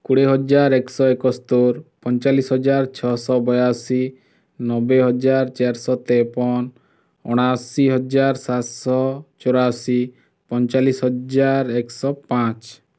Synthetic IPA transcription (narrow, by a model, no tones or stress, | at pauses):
kuɽeɦɔd͡ʒaɾeksɔekɔst̪oɾpɔnt͡ʃalisɦɔd͡ʒaɾt͡ʃʰɔsɔbɔjasi | nɔbeɦɔd͡ʒaɾt͡ʃeɾsɔt̪epɔn | ɔɽ̃asiɦɔd͡ʒaɾsat̪sɔt͡ʃoɾasi | pɔnt͡ʃalisɦɔd͡ʒaɾeksɔpãt͡ʃ